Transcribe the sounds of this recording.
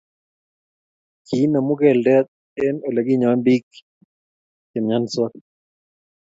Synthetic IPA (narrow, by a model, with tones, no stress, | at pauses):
ki˨˦na˨mu˦kɛ˨ldɛ˦t̚ | ɛ˦no˨la˨ki˦ɲa˨˦mbi˦k | kɛ˨mɲa˦nswa˦